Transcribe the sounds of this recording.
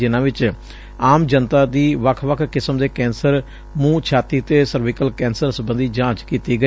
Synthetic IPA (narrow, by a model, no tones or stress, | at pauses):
ɪnãːʋɪt͡ʃ | aːmd͡ʒənt̪aːd̪iːʋəkʰʋəkʰkɪsəmd̪eːkɛːnsəɾ | mũːt͡ʃʰaːt̪iːt̪eːsəɾʋɪkəlkɛ̃ːnsəɾsəbənd̪iːd͡ʒãːt͡ʃkiːt̪iːɡə